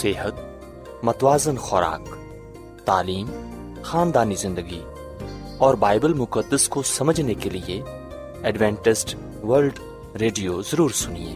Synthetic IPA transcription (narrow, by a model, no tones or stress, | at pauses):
seːɦət̪̚ | mɐt̪waːzənxɔɾa̰ːk | t̪aːliːm | xaːnd̪aːnizɪ̃nd̪əɡi | ɔːɾbaːɪbəlmʊkəd̪ːəskosɐməd͡ʒʱnekelie | ɛɖʋɛ̃ːɳʈɪsʈ | ʋəɾlɖ | ɾeːɖijozɐɾuːɾsʊniḛː